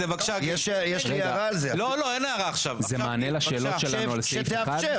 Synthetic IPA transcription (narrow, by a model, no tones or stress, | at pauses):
evakḁʃajɛʃjɛʃliaʁaːlzeloloenajaʁaːχʃavzemmaːnelaʃeːloʃelanualseefeaχadʃe